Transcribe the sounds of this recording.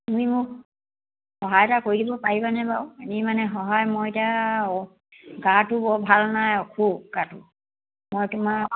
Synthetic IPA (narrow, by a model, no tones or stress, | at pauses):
tumimʊk | xɔɦajtakoɹidibɔpaɹibanɛbawenimanɛxɔɦajmojeta | ɡatʊbɔbʱalnajɔkʰuɡatʊ | mojtʊma